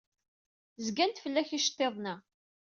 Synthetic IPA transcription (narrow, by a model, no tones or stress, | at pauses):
zɡænt̪fəlːæçiʃt̪ˤːeðˤnæ